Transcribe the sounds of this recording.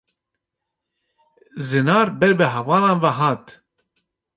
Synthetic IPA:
zɨnɑːɾbɛɾbɨɦɛvɑːlɑːnvaɦɑːt̪

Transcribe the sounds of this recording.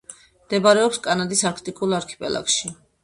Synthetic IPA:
md̪̥ɛbaɾɛɔpskʼanad̪isaɾkʰt̪ʼikʼulˠaɾkʰi̥pʼɛlˠa̰kʃi

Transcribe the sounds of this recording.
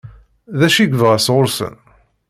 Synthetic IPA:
ðæʃiɡvʁæsʁʊɾsə̰n

